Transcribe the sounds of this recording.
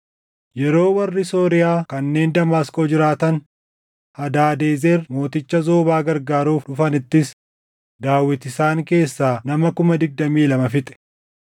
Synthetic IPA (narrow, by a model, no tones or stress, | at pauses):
jɛɾo̞ːwɐrːɪso̞ːɾɪjaːkɐnːe̞ːnd̪ɐmaːsko̞ːd͡ʒɪɾaːt̪ɐn | hɐd̪aːd̪e̞ːzeɾmo̞ːt̪ɪt͡ʃːɐzo̞ːbaːɡɐɾɡaːɾuːfᶑʊfɐnɪt̪ːɪs | d̪aːwːɪt̪ɪsaːŋke̞ːsːaːnɐmɐkʊmɐd̪ɪɡ̚d̪ɐmiːlɐmɐfɪt̪ʼɛ̥